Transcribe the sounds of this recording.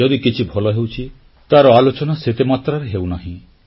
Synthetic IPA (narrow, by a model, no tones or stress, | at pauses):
ɔd̪ikit͡ʃʰibʱɔlɔɦewt͡ʃʰi | t̪aɾɔalot͡ʃɔnaset̪emat̪ɾaɾeɦewnaɦĩ